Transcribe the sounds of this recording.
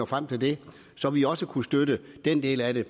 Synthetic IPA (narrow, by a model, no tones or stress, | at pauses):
ɒfʁam̰t͡sʰe̝ld̥e̝ | sɒ̽ʋiɒ̽səkʰusd̥ødəd̥end̥e̝̰ːlæɾe̝